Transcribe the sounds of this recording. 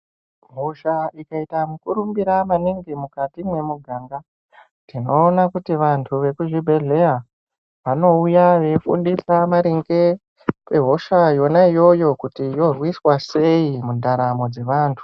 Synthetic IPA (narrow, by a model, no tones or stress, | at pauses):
ɦo̞ʃaikaitamukuɾumbiɾamaniŋɡimukatimwe̞muɡʱaːŋɡa | tino̞ːnakutiʋantʰuʋe̞kuʐibʱe̞ɮe̞a | ʋano̞ujaʋe̞fṵndisamaɾiŋɡe̞ | pe̞ɦo̞ʃajo̞naijo̞jo̞kutijo̞rwiswase̞imundʱaɾamo̞d͡ze̞ʋaːntʰu̥